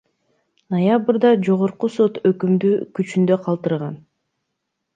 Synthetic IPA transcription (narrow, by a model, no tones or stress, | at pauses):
nojabɾd̪ɑd͡ʒo̞ʁo̞ɾquso̞t̪økymd̪yːkyt͡ʃynd̪ø̞qʰɑlˠt̪ɯɾʁɑn